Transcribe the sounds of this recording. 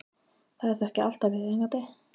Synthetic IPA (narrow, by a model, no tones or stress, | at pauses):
θaðɛɾ̥θɛhcɪʔal̥t̪avɪðɛŋkat̪e